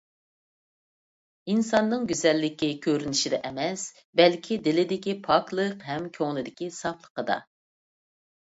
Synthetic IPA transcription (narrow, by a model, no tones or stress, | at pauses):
insɑnːɨŋɡʲyzɛlːɪkʲikʲʰøɾynɪʃid̪ɛʔɛmɛs | bɛlkʲʰid̪ɪlɪd̪ɪkʲipʰɑklˠəqɦɛmkʲʰøŋlˠɨd̪ɪkʲisɑplˠə̥qəd̪ɑ̰